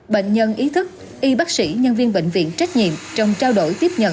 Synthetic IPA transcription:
ɓḛ˧˨ŋ̟ɲə˧nʔi˨˦t̪ʰɨ˦˥k̚ | ʔi˧ɓa˦˥k̚sḭ˧˩ɲə˧nvi˧ənɓḛ˧˨ŋ̟vḭ˧˨ənt͡ɕa˦˥jk̚ɲḭ˧˨əmt͡ɕɔ˧wŋ͡mt͡ɕaː˧wɗo˧˩jt̪i˦˥əp̚ɲə̰˧˨

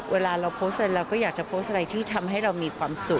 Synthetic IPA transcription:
wʔeː˧laː˧ɾa˧wpʰoː˦˥stʔa˧ɾa˧jɾɛː˧wkɔː˥˩jaː˨˩k̚t͡ɕa˨˩pʰoː˦˥st̪ʔa˧ɾa˧jt̪ʰiː˥˩t̪ʰa˧mɦa˥˩jɾa˧wmiː˧kʰwaː˧msu˨˩k̚

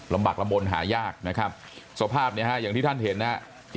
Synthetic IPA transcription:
la˧mbaː˨˩k̚la˧mbo˧nɦaː˩˦jaː˥˩k̚na˦˥kʰa˦˥p̚ | su˨˩˦ɐ˦pʰaː˥˩p̚ni˥˩ɐka˦˥ʔjaː˨˩ŋt̪iː˥˩a˥nɦe˨˩˦nːa˦˥

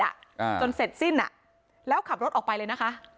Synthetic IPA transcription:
a̰˨˩t͡ɕo˧nse˨˩t̪̚si˥˩nʔa̰˨˩ʔ | lɛː˦˥wkʰa˨˩p̚ɾo˦˥t̪̚ʔɔː˨˩kpa˧jlɤː˧jna˦˥kʰa˦˥ʔ

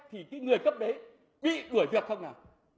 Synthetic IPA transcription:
t̪ʰi˨˩kaː˨˦jŋɨ˨˩əjkə˦˥p̚ɗə˨˦ | ɓḭ˧˨ɗu˧˩əjvi˨˩t̚xə˧wŋ͡mnaː˨˩

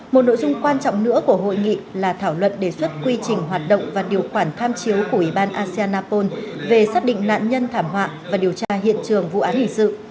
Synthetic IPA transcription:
mo˨˩t̚no˧˨zʊ˧ŋ͡mkwaː˧nt͡ɕɔ̰˧˨wŋ͡mnɨ̰˧˥əku˧˩əɦo̰˧˨jŋḭ˧˨laː˨˩t̪ʰaː˧˩wlwə̰˧˨nɗe˧˩swə˦˥t̚kwi˧t͡ɕï˨˩ŋ̟ɦwaː˨˩t̚ɗə̰˧˨wŋ͡mvaː˨˩ɗi˨˩əwxwaː˧˩nt̪ʰaː˧mt͡ɕi˨˦wku˧˩əʔwi˧˩ɓaː˧nʔaː˧si˧aː˧nːaː˧po˧nve˨˩saː˦˥k̚ɗḭ˧˨ŋ̟na̰ː˧˨nɲə˧nt̪ʰaː˧˩mwa̰ː˧˨vaː˨˩ɗi˨˩əwt͡ɕaː˧ɦḭ˧˨ənt͡ɕɨ˨˩əŋvṵ˧˨ʔaː˨˦nʔi˧˩ŋ̟sɨ̰˧˨

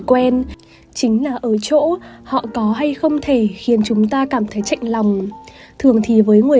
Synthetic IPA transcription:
kwɛ˧n | t͡ɕï˨˦ŋ̟laː˨˩ʔəː˧˩t͡ɕo̰˧˥hɔ̰˧˨kɔ˨˦ɦa˧jxə˧wŋ͡mt̪ʰe˧˩xi˨˦ənt͡ɕʊ˨˦ŋ͡mt̪aː˧kaː˧˩mt̪ʰə˨˦jt͡ɕa̰˧˨jŋ̟la˨˩wŋ͡m | t̪ʰɨ˨˩əŋt̪ʰi˨˩vəː˨˦jŋɨ˨˩ə

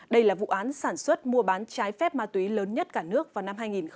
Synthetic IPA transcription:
ɗə˧jlaː˨˩vṵ˧˨ʔaː˨˦nsaː˧˩nswə˦˥t̚mu˧əɓaː˨˦nt͡ɕaː˨˦jfɛ˦˥p̚maː˧t̪wi˨˦ləː˨˦nɲə˦˥t̚kaː˧˩nɨ˦˥ək̚vaː˨˩wna˧mɦaː˧jŋi˨˩nx

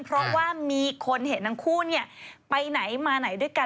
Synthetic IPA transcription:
pʰɾɔ˦˥waː˥˩miː˧kʰo˧nhe˨˩˦nːa˧ŋkʰuː˥˩ni˥˩ɐpa˧jna˩˦jmaː˧na˨˩˦jdu˥˩əjka˧

